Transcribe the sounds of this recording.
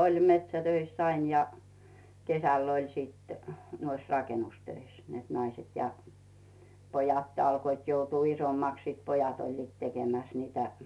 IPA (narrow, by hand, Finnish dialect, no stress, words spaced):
olʲ metsætøisː ɑin jɑ kesæˑlː olʲ siˑt nuois rɑkenustøis net nɑiset jɑ pojɑtː ɑlkoit joutuː isomːɑks siˑt pojɑt olʲliːt tekemæs niːtæ